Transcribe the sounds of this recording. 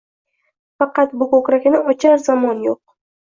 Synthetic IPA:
fɑqɑt̪bʊkʰokɾakʲnɪɒt͡ʃʰaɾzamɒnjoq̚

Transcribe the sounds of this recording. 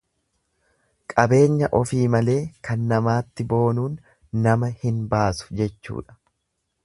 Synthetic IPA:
kʼɐbe̞ːɲːɐʔɔfiːmɐle̞ːkɐnːɐmaːt̪ːɪbo̞ːnuːnː | ɐmɐhɪnbaːsʊ̥d͡ʒɛt͡ʃːṵːᶑɐ̥

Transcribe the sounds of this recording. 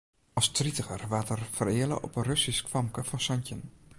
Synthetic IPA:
ɑstritəxərʋatərfərɪələ̰ʔɔ̰pənrøsiskʋɑmkəfɔnsɔncən

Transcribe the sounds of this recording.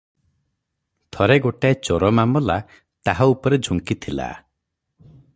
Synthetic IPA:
t̪ʰɔɾeɡoʈaet͡ʃoɾɔmamɔla | t̪aɦɔupɔɾed͡ʒʱuŋkit̪ʰila̰

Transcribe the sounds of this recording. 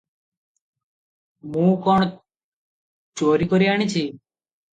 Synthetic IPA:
mũːkɔɳ̃ɔ | t͡ʃoːɾikɔɾiaɽ̃it͡ʃʰi

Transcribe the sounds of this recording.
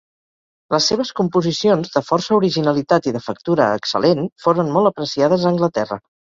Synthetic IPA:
ləsːeβ̞əskumpuzisionzðəfɔrsəuɾiʒinəlit̪at̪iðəfək̚t̪uɾəəksə̰lʔenfoɾonmɔlˠəpɾəsiað̞əzəːŋɡlət̪ɛrə̰

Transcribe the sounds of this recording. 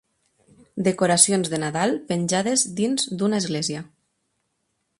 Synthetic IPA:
d̪ekoɾasionzðenaðalˠpenʲʒaðezd̪inzd̪unaezɣlezia

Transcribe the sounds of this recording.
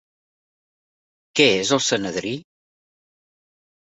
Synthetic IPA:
kɛezəlˠsənəðɾi

